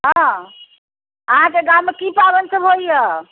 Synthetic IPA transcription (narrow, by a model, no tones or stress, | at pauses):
ɦɔ̃ | əɦãkeɡawmːekipabənsəbɦojjə